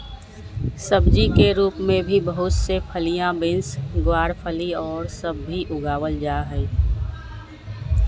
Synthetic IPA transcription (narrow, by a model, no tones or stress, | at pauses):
səbd͡ʒikeɾuːpmẽbʱibəɦʊt̪sepʰəlijãbɪ̃nsɡwaːɽpʰəliɔːɾsəbːiʔʊɡaːwəld͡ʒaːɦɛ